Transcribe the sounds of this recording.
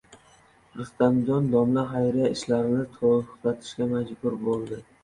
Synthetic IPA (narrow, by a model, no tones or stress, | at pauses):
ɾʊst̪and̪ond̪ɒmlaɦajɾijaɪʃlaɾɪnɪt̪ʰoʊ̥qlat̪ʰɪ̥ʃkʲamad͡ʒbʊɾbolˠd̪ɪ